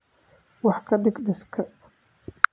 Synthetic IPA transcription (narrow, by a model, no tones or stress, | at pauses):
wɑħkʰɐɖɪɡɖɪskʰɐ